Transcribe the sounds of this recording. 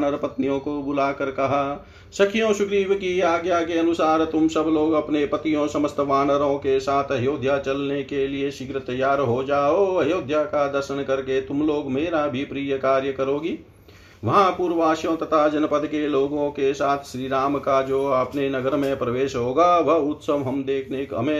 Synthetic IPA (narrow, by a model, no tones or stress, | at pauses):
nəɾpət̪nijõkobʊlaːkəɾkɐɦaː | sɐkʰɪjõʃʊkɾiːʋkiaːɡjakeɐnʊsaːɾt̪ʊmsəbloːɡɐpnepət̪ijõsɐməst̪ʰʋaːnəɾõkesaːt̪ʰəɦjoːd̪ʱjat͡ʃɐlnekelieʃɪɡɾət̪əjːaːɾɦod͡ʒaːoɐɦjoːd̪ʱjakad̪əɾʃənkɐɾket̪ʊmloːɡmeːɾabʱipɾiːjəkaːɾjəkəɾoːɡiː | ʋɐɦãpuːɾʋaːʃjõt̪ət̪ʰad͡ʒɐnpəd̪keloːɡõkesaːt̪ʰʃɾiːɾaːmkad͡ʒoːəpnenəɡəɾmẽpɾəʋeːʃɦoːɡaʋəɦʊt̪səmɦəmd̪eːkʰneɦə̰mẽ